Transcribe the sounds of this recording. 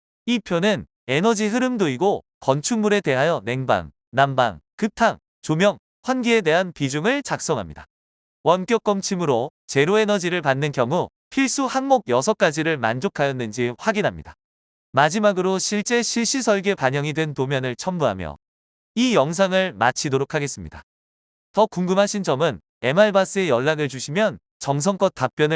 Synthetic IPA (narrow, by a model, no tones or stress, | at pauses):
ipʰjonɯn | e̞nʌd͡ʑiɦɯɾɯmdoiɡo | kʌnt͡ɕʰuŋmuɾe̞te̞ɦajʌne̞ŋba̰ŋ | namba̰ŋkɯp̚tʰaŋ | t͡ɕomjʌŋ | ɸwanɡiede̞ɦanpid͡ʑuŋɯɭt͡ɕak̚s͈ʌŋɦamɲida | wʌnk͈jok͈ʌmt͡ɕʰimɯɾo | t͡ɕe̞ɾoe̞nʌd͡ʑiɾɯɭpanːɯnkjʌŋu | pʰiɭs͈uhaŋmoɡ̚jʌsʰʌk͈ad͡ʑiɾɯɭma̰nd͡ʑokʰajʌnːɯnd͡ʑiɸwaɡinɦamɲḭda | mad͡ʑimaɡɯɾoɕʰiɭt͡ɕ͈e̞ɕʰiɭɕ͈isʰʌɭɡe̞paɲʌŋidwe̞ntomjʌnɯɭt͡ɕʰʌmbuɦa̰mjʌ̰ | ijʌŋs̬ʰaŋɯɭma̰t͡ɕʰidoɾokʰaɡe̞s͈ɯmɲida̰ | tʌkuŋɡɯmɦaɕʰind͡ʑʌmɯn | e̞maɭbas͈ɯe̞jʌɭːaɡɯɭt͡ɕuɕʰimjʌn | t͡ɕʌŋs̬ʰʌŋk͈ʌt̚t͈ap̚p͈jʌnɯ